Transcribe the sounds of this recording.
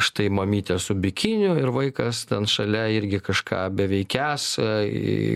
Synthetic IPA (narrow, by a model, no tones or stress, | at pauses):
ʃt̪ɐɪmɐmʲiːt̪ʲɛsʊbʲɪkʲɪnʲʊɪɾʋɐɪkɐst̪ʲɛnʃɐlʲɛɪɾʲɡʲɪkɐʃkʰɑ̰ːbʲɛʋʲɛɪkʲæːs